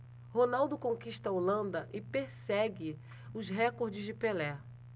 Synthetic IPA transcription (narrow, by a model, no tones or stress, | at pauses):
honawd̪ʊkõŋkiʃt̪ɐolɐ̃nd̪ɐʔɪpeɾsɛɡɪ | ʊzɦɛkoɾd͡ʒɪzd͡ʒɪpelɛ